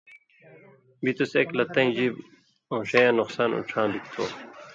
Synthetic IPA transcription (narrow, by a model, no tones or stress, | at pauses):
bit̪useklɐt̪ːɐ̃ĩd͡ʑib | õːɕɐjãːnuqsaːnṵʈ͡ʂʰãːbikt̪ʰo̰ː